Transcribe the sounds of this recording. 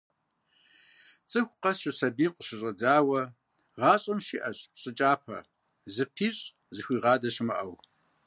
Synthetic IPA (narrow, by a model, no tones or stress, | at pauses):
t͡sʼɨxʷqɐsɕɪsɐbiːmqəʃɪɕʼɐd͡zaːwɐ | ʁɑːɕʼɐmʃiʔɐɕʼɕʼɪt͡ʃʼaːpʰɐ̰ | zɨpʰiːɕʼ | zɨxʷiːʁɑːdɐɕɪmɐʔɐw